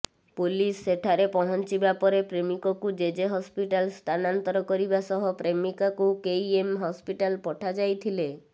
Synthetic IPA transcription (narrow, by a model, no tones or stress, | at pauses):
pulisːeʈʰaɾepɔɦɔnt͡ʃibapɔɾepɾemikɔkud͡ʒed͡ʒeɦɔspiʈalst̪ʰanant̪ɔɾɔkɔɾibasɔɦɔpɾemikakukejemɦɔspiʈalpɔʈʰad͡ʒajt̪ʰile